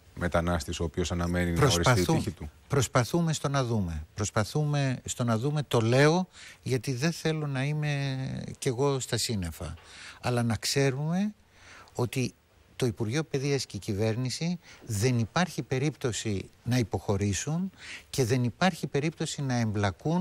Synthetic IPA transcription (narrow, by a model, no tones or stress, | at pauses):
me̞t̪ɐnɐst̪iso̞ːpio̞sɐnɐme̞ninpɾoosɾisɐiiuiçit̪u | pɾo̞spɐθume̞st̪o̞nɐðume̞pɾo̞spɐθume̞st̪o̞nɐðume̞t̪o̞le̞o̞ʝɐt̪iðe̞θe̞lo̞nɐime̞ce̞ɣo̞st̪ɐsine̞fɐ̰ɐlɐnɐkse̞ɾume̞ | o̞t̪i | t̪o̞ipuɾʝo̞pe̞ðiɐscecive̞ɾnisiðe̞nipɐɾçipe̞ɾipt̪o̞sinɐipo̞xo̞ɾisunce̞ðe̞nipɐɾçipe̞ɾipt̪o̞sinɐe̞mblɐkun